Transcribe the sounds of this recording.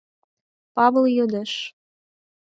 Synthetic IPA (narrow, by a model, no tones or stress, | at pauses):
pɑβəljød̪əʃ